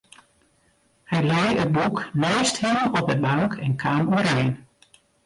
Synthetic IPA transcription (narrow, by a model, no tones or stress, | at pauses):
hɛjlɛjət̚buknɛɥsthimənɔp̚dəbaŋkʰɛnkʰaːmuəɾɛjn